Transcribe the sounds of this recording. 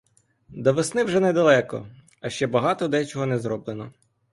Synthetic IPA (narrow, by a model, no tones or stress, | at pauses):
d̪ɔʋesnɪwʒɛnɛd̪ɐlˠɛkɔ̰ | ɐʃt͡ʃɛbɐɦɑt̪ɔd̪ɛt͡ʃɔɦɔnɛzɾɔblˠenɔ